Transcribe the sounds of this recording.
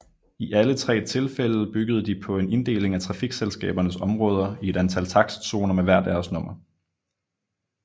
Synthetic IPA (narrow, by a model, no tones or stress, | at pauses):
iʔælət͡sʰʁɛ̰ːt͡sʰe̝lfel̰ð̩ˠb̥yɡ̥əð̞̩ˠəd̥ipʰɒ̽e̝ne̝nd̥e̝̰ːle̝ŋæt͡sʰʁɑ̈fiɡ̥selsɡ̥ɛ̰ːb̥ɐnəsɒ̽mʁɔ̽ːð̞ˠɐie̝ɾ̥ænt͡sʰæl̰t͡sʰɑ̈ɡ̥sso̝ːnɐmeʋæɐ̰d̥æɐsnɔ̽m̰ɐ